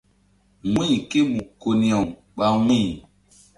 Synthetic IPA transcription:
ŋʷĩ˦˨ke˦mu˨ko˨ni˨a˨ | ɓa˦ŋĩ˦˨

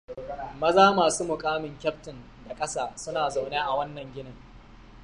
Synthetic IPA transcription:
mɐ˦zaː˦maː˨suː˦mʊ˨kʼaː˦mɪ˨ŋkʲɐ˦p̚tɪ˨n | da˨kʼɐ˦saː˨sʊ˦naː˨za˨wneː˦ʔa˨wɐ˦nːɐ˨ŋɡʲɪ˦nɐ˦ŋ

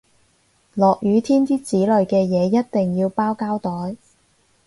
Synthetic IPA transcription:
lɔː˨k̚jyː˨˧t̪ʰiː˥nt̪iː˥t͡siː˨˥lɵ˨˩ɥkɛː˧jɛː˨˧jɐ˥t̚t̪e˨˩ŋjiː˧wpaː˥wkaː˥wt̪ɔː˨˥j

